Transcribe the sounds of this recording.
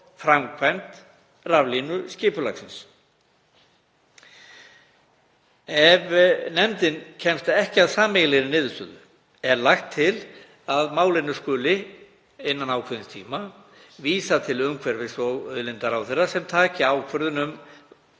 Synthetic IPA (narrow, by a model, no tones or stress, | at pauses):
fɾamkʰvajnt̪ | ravlinʏscɪːpʏla̰ksɪns | ɛvnɛmt̪ɪncʰɛmst̪aɛhcɪaðsaːmɛɣlɛɣɾɪnɪːðst̪ʏ̰ːðʏ̰ | ɛɾlaxt̪ʰːɪl | aðmaːwlɪnːʏskʏːlɪ | ɪnːanaːwkʰvɛɾðɪnst̪ʰḭːma | viːsat̪ʰɪlʏmkʰvɛɾvɪ̥svɔɣœðlɪnt̪aɾawθɛrːasɛmt̪ʰaːcɪaːwkʰvœɾðʏnʏm